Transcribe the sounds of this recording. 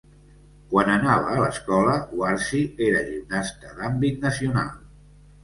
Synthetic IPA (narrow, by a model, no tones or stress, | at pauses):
kwanənaβ̞ə̰ːləskɔləuaɾsieɾəʒiwnast̪əðambit̪nəsiuna̰lˠ